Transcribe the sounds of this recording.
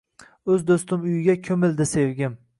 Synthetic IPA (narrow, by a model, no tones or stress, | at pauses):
ɵzd̪ost̪ɪmʊjɪɡʲakʲʰɵmɪld̪ɪsevɡʲɪm